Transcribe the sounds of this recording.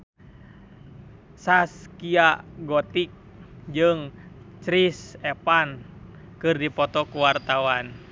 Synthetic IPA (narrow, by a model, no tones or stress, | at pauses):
saskiaɡɔt̪ik̚ | d͡ʒɨŋ | t͡ʃɾisɛpan | kɨrdipɔt̪ɔkuwart̪awan